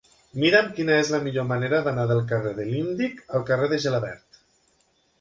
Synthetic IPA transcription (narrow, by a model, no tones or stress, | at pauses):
miɾəmkinəezləmiʎoməneɾəðanaðəlˠkəreðəlind̪ikəlˠkəreðəʒelaβɛ̰ɾt̪